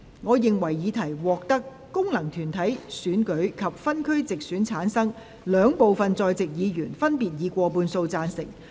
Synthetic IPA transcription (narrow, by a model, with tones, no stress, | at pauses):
ŋɔː˨˧jɪ˨ŋwɐ˨˩jːiː˨˧t̪ʰɐ˨˩jwɔː˨k̚t̪ɐ˥kːʊ˥ŋlɐ˨˩ŋt̪ʰyː˨˩nt̪ʰɐ˨˥jsyː˨˥nkɵ˨˥ɥkʰɐ˨p̚fɐ˥nkʰɵ˥ɥt͡sɪ˨k̚syː˨˥nt͡sʰaː˨˥nsɐ˥ŋ | lœː˨˧ŋpo˨wfɐ˨nt͡sɔː˧jt͡sɪ˨k̚jiː˨˧jyː˨˩nfɐ˥npiː˨t̚jiː˨˧kʷɔː˧puː˧nso˧wt͡saː˧nsɪ̰˨˩ŋ